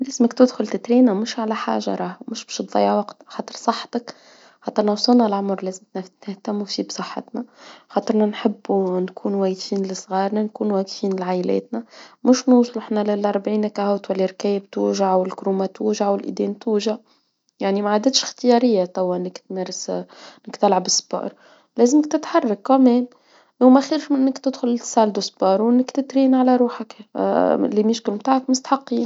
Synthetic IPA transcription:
læzməkt̪ɪd̪xʊlt̪ɪt̪ɾiːnæmʊʃʕalæħa̰ːʒa̰ɾˤɑːhmʊʃbɛ̥ʃt̪ðˤɑ̰jːaʕwɑqt̪xɑːt̪ˤəɾsˤɑħːt̪ək | xɑt̪ˤəɾnawsˤɑlnɑlʕʊmɾˤlæːzɪmt̪nt̪ɪht̪æmːufibsˤəħːɑ̰t̪næxɑt̪ˤəɾnænħɪbːunkʰuːnwæjfiːnlɪsˤɣɑːɾˤnænkuːnwæːqfiːnlʕaʔlɛ̰ːt̪næmʊʃnuːsˤlɪħnælɪlʔɑɾˤbʕiːnækæhawt̪wælːiɾkɛːjɪb̚t̪uːʒaʕwɪlkɾuːmat̪uːʒaʕwɪlʔḭd̪ɛːnt̪uːʒa | jaʕnimaʕaːd̪ɪt̪ʃxt̪ɪjɑɾɪjːat̪ˤɑwːaʔɪnːɪkt̪mæɾˤɪsʔnɪkt̪ɪlʕabɪsːbɑ̰ːɾˤ | lɛːzəmɪkt̪ɪt̪ħɑrˤːɑkːæmɛːm | wmæxiːɾʃmɪnːɪkt̪ɪd̪xʊlɪsaːld̪usbɑːɾˤʔɪnːɪkt̪ɪt̪ɾiːnʕalæɾuːħak | limɪʃkʊlmt̪aːʕakmʊst̪ħɑqːiːn

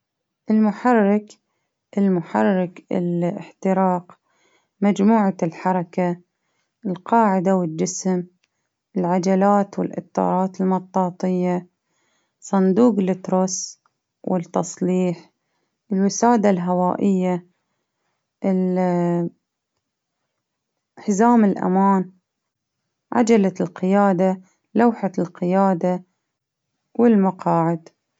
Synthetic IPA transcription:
ʔɪlmʊħɑrːɪk | ʔɪlmʊħarːɪkɪ̰lɪ̰ħt̪ɪɾɑːq | mad͡ʒmuːʕalħɑɾˤɑka | ʔɪlqɑːʕɪd̪awɪd͡ʒɪsm | ʔɪlʕad͡ʒalaːt̪wɪlʔɪ̰t̪ˤːɑ̰ːɾˤɑːt̪ɪlmɑt̪ˤːɑːt̪ˤɨjːa | sˤɑnd̪uːqlɪt̪ɾos | wʔɪt̪ːɑsˤliːħ | ʔɪlwɪsaːd̪alɦawaːʔɪjːa | ʔɪl | ħzaːmɪlʔa̰maːn | ʕa̰d͡ʒalalqɪjaːd̪a | lawħalqɪjaːd̪a | wɪlmaqʰɑːʕɪd̪

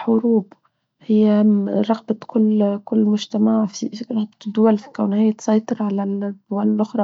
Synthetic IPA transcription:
ħʊɾuːb | hɪjːæɾˤɑɣbakʊlːkʊlːmʊʒt̪amaʕfifiɾˤɑd̪ˤd̪ːʊwalfi̥kawnhajːæt̪sˤɑjt̪ˤɨɾʕalald̪ʊwallʔʊxɾˤɑ

